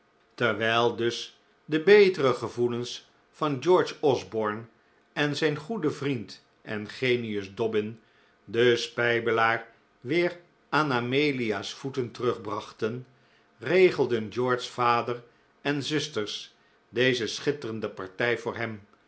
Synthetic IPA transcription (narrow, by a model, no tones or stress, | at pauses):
tɛɹʋɛjlˠdɵs | dəbejtərəχəvuləns | fɑnd͡ʒɔɹt͡ʃɔzbɔɹn | ɛnzɛjnχudəvrint | ʔɛ̰nχejniɵzdɔbɪn | dəspɛjbəlaːɹ | ʋɪːɹ | ʔaːnamejliaːsfutəntərɵχbrɑχtən | rejχəlˠdənd͡ʒɔɹdsfaːdər | ɛnzʏstəɹs | dejzəsχɪtərəndəpɑ̰ɹtɛjvʊːɹɦɛm